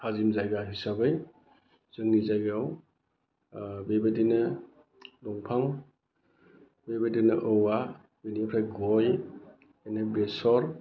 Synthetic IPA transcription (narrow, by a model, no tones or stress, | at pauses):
kʰazimzajɡaɦisabɯj | z̥ɯŋnizajɡaw | bebedinɯ | lɔŋpʰaŋ | bebadinɯʔɯwa | benipʰɾajɡɔj | enɯbesɔɾ